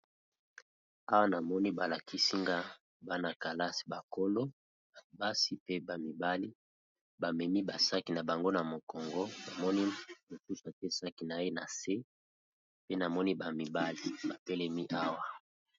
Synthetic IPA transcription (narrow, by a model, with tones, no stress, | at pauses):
a˦wa˦na˨mɔ˦ni˦ba˨la˨kʰi˦si˦ŋɡa˦ | ba˦na˨ka˨la˦si̥˨ba˨ko˦lo˦ | a˨ba˦si˦pe˦ba˨mi˨ba˦li˦ | ba˨mɛ˨mi˦ba˨sa˦ki˨na˨ba˨ŋɡo˦na˨mo˨kɔ˨ŋɡɔ˦na˨mɔ˦ni˦mo˨su˦sa˨tɛ˦sa˦ki˨na˨e˦na˨se˦ | pe˦na˨mɔ˦ni˦ba˨mi˨ba˦li˦ba˨pe˦lɛ˦mi˦ʔa˦wa˦